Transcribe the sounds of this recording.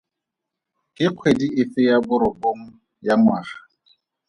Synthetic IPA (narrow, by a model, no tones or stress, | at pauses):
kʼɪq͡χʰwediʔɪfɪjabʊɾʊkʼoŋ̩ | jaŋwaːχa